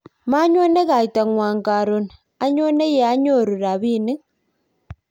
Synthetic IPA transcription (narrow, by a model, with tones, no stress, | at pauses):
ma˦ɲwo˦ne˦ɣa˨i˨ta˨ŋwaː˨ŋɡa˨ɾo˨n | a˦ɲo˦ne˦je˨a˦ɲo˦˨ɾu˨ɾa˨βi˦˨ni˦ŋ